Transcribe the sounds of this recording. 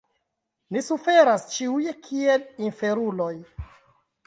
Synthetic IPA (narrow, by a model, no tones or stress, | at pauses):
nisufe̞ɾast͡ʃiujekʰielinfe̞ɾulo̞j